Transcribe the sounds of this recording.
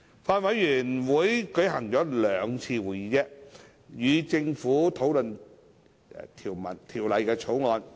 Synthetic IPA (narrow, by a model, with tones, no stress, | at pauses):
faː˧nwɐ˨˥jːyː˨˩nwuː˨˥jkɵ˨˥jɦɐ˨˩ŋt͡ʃɔː˨˥lœː˨˧ŋt͡sʰiː˧wuː˨˩jiː˨˧˥t͡ɕɛ˧˥ | jyː˨˧t͡sɪ˧ŋfuː˨˥t̪ʰo˨˥wlɵ˨n | t̪ʰiː˨˩wmɐ̰˨˩nt̪ʰiː˨˩wlɐ˨˧jkɛː˧t͡sʰo˨˥wŋɔː˧n